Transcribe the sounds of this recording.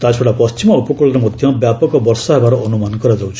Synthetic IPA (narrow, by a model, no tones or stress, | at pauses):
t̪at͡ʃʰoɽapɔst͡ʃimɔupɔkuɭɔɾɔmɔd̪ʱjʌ̃bjapɔkɔbɔɾsaɦbaɾɔɔnumankɔɾad͡ʒawt͡ʃʰ